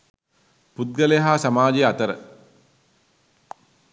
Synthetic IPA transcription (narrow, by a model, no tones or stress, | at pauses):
put̪̚ɡəleɦaːsamaːd͡ʒeat̪əɾə̰